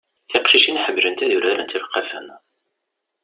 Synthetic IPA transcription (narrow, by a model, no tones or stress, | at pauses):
θɪqʃiʃinħəbːlənt̪æðuɾaɾæ̰nt̪iɾqːæfə̰n